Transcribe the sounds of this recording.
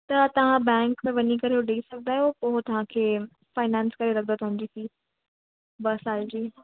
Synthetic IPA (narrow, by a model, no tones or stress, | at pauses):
t̪ɐt̪ɐʋ̤ãbɛ̃ːŋkmẽʋɐnikɐɾejoɖeisɐɡ̚d̪aːɦjopoːɦt̪ɐʋ̤ãkʰeː | faːɪnãːnskɐɾeɾɐkʰnd̪ot̪ɐʋɦãɲd͡ʑiːfiː | bɐsaːld͡ʑiː